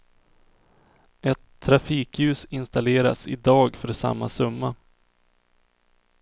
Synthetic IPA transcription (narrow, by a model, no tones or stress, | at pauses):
ʔɛt̪ʰːɾafiːkjʉ̟ːsɪnst̪aleːɾa̰sɪd̪ɑːɡfœɖɛsa̰mːasɵmːa